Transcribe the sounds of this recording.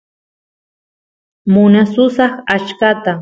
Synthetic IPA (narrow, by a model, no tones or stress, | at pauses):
mʊnasʊsɑχat͡ʃkat̪a